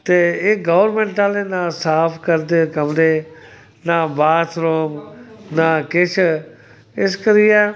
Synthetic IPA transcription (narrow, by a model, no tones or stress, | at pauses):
t̪eːeɡɔːʋəɾmẽɳʈaːleːnaːsaːpʰkəɾd̪eːkəmd̪eː | naːbaːt̪ʰɾoːmnaːkɪt͡ʃʰ | ɪskəɾijaː